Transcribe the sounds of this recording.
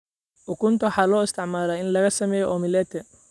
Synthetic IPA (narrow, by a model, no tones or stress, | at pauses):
ʔʊkʰʊnt̪ʰɐwħɑːlɔːɪst̪ʰɪʕmaːlaːɪnlɐɣɐsɐmɛːjɔʔɔmɪlɛːt̪ʰɛ